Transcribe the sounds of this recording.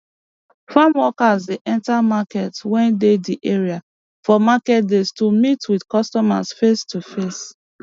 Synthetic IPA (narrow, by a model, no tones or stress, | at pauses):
fãmwɔkazdeʔɛ̃ntamakɛtwɛ̃ndediʔeɹia | fɔmakɛt̚destumitwidkɔstɔma̰sfestufes